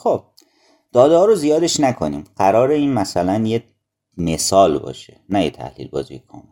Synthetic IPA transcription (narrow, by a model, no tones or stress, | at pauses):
xob̚ | d̪̥ɒːd̪ehɒːɾozijɒːd̪e̞ʃnækʰo̞̰nḭːmɢ̥æɾɒːɾe̞iːnmæsælænje | mesɒːlbɒ̰ːʃenæjet̪ʰæ̰hlḭlbɒːzijekʰɒm